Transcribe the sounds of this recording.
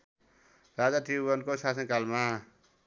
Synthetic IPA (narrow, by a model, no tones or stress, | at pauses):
ɾad͡zaʈibʌnkosas̬ʌnkalma